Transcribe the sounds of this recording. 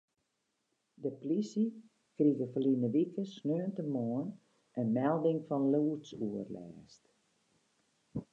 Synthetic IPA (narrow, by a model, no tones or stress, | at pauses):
dəplisi | kriɣəfəlinəʋikəsnøːəntəmoən | ʔənmɛlˠdɪŋfɔnluːsuərlɛ̰ːst